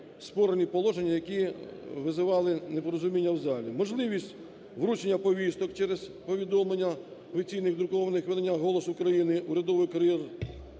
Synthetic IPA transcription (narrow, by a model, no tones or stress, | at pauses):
spɔɾenʲipɔlˠɔʒenʲːɐjɐkʲiʋɪzɪʋɑlˠɪnepɔɾɔzʊmʲinʲːɐwzɑlʲimɔʒlˠɪʋʲisʲtʲ | ʋɾut͡ʃenʲːɐpɔʋʲist̪ɔkt͡ʃɛɾez̥pɔʋʲid̪ɔmlenʲːɐɔfʲit͡sʲijnɪɣd̪ɾʊkɔʋɐnɪxʋed̪enʲːaɦɔlˠɔsʊkɾɐjinɪʔuɾʲɐd̪ɔʋɪjkɐɾʲjɛr